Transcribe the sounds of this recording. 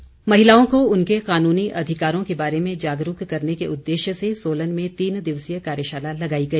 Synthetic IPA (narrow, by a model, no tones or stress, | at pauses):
mɐɦɪlaːõkoʊnkeqaːnuːniʔɐd̪ʱɪkaːɾõkebaːɾemẽd͡ʒaːɡɾukkɐɾnekeʔʊd̪ːeːʃjəsesoːlənmẽt̪iːnd̪ɪʋsijəkaːɾjəʃaːlalɐɡaːiɡɐiː